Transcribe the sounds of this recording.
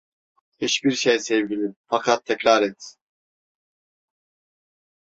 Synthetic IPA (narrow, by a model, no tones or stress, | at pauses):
hit͡ʃbiɾʃejsɛvɟilʲifakʰat̪ʰːɛcɾaɾɛt̪